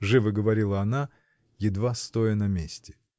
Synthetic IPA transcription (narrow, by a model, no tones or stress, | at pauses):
ʐɨvɨɡəvɐɾʲilˠəɐna | jɪd̪vast̪ojənɐmʲesʲtʲɪ̥